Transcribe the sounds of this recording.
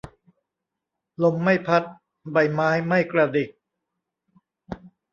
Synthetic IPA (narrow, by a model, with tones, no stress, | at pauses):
lo˧˥mːa˥˩jpʰa˦˥t̪̚ | ba˨˩jmaː˦˥jma˥˩jkɾa˧di˨˩k̚